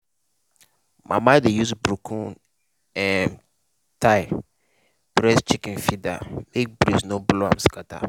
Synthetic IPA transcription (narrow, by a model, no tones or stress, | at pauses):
mʔa̰madejusbɾukʰũn | ɛm | tʰaɪ | b̥ɾɛst͡ʃikɛ̃nfidamek̚bɾisnobloãmskata̰